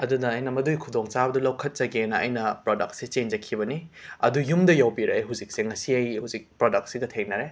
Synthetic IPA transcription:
ɐdudɐːjnɐmɐdujkʰudoŋt͡ʃabɐdɐlɐwkʰɐt̚t͡ʃɐɡenɐɐ̰jnɐpɾodɐk̚t̚set͡ʃend͡ʒɐkʰibɐniɐdujumdɐjawbiɾɐeɦuzik̚seŋɐsiɐjhuzik̚pɾodɐk̚t̚siɡɐtʰeŋnɐɾe

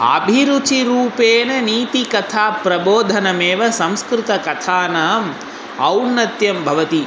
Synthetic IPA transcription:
ɐ̰bʱiɾut͡ʃiɾuːpeːnɐniːt̪ikɐt̪ʰaːpɾɐboːd̪ʱɐnɐmeːʋɐsɐmskɾɪt̪ɐkɐt̪ʰaːnaːm | ɐwnːɐt̪jɐmbʱɐʋɐt̪i

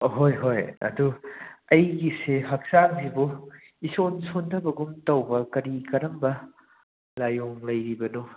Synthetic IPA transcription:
ɦojɦojɐ̰duɐjɡiseɦɐk̚saŋzibu | isonsondʰɐbɐɡumtɐwbɐkɐɾikɐɾɐmbɐ | lajoŋlɐjɾibɐnu

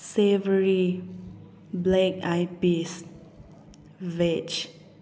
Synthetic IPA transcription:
sevəɹi | blɛkajpis | vɛt͡ʃ

